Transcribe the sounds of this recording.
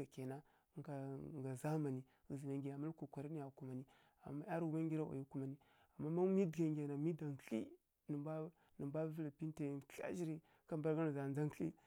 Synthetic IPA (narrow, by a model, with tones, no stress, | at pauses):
a˨ke˨na˦˨ | ŋɡa˨ŋ˨ɡa˨za˦ma˨ni˨ | ɣi˨zi˨na˨ŋɡi˨ja˨ma˦lko˨kʷa˨ɾi˦ni˦ja˨ku˨ma˨ni˦ | a̰˨mːa˦ja˦ɾu˦ma˦ŋɡʲi˦ɾa˦˨ʔa̰˨ju˦ku˦ma˨ni˦ | a˨mːa˦ma˦mi˦dɡa˨ŋɡʲa˨na˨mi˦da˨ŋkḭ˦ | nə˨ba˦ | nə˨mba˦vi˦la˨pi˦n˦te˨ka̰˦ʒi˦ɾi˦ | ka˦mba˦ɾɡa˦na˨za˨nza˦ŋ˦lḭ˦